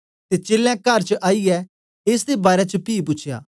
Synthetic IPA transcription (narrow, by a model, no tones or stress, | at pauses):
t̪et͡ʃeːlãkɐɾt͡ʃəʔaːijɛ | eːs̬d̪ebaːɾɛt͡ʃəpiːp̬ʊt͡ʃʰja̰ː